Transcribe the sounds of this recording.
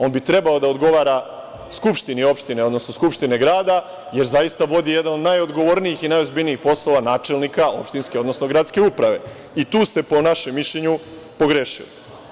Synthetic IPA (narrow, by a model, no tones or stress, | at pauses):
o̞ːnbit̪ɾe̞bao̞d̪aod̪ɡo̞ʋaːɾa | skupʃt̪inio̞pʃt̪ineo̞d̪no̞snoskupʃt̪ine̞ɡɾaːd̪a | je̞ɾzajist̪aʋo̞d̪ije̞d̪ano̞d̪najo̞d̪ɡo̞ʋoɾniixinajo̞zbiʎniixpo̞sloʋanaːt͡ʃe̞lnikao̞̰pʃt̪inskeo̞d̪no̞sno̞ɡɾat̪ske̞upɾaʋe̞̰ | it̪uːst̪e̞po̞naʃemːiʃlʎeɲu | po̞ɡɾeʃili